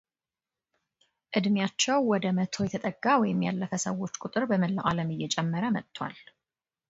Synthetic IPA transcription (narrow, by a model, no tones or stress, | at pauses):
ʔɨd̪mjat͡ʃːɛwwɔd̪əmət̪ʰo̞jɛt̪ʰət̪ʼəɡːawɔjɪmja̰lːəfəsəwo̞t͡ʃːkʼʊt̪ʼɨɾbəməlːaʔaləmɨjːɛt͡ʃʼɛmːəɾəmət̪ːwa̰l